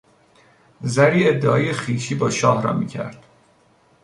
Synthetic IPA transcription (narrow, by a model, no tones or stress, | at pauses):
zæɾiːe̞d̪ːeʔɒːjexiːʃiːbɒːʃɒːhɾɒ̰ːmḭːcʰæ̰ɾd̪̥